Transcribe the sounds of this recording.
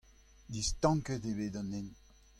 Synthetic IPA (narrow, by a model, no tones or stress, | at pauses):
dist̪ɑ̃ŋkətebeːdɑ̃nːen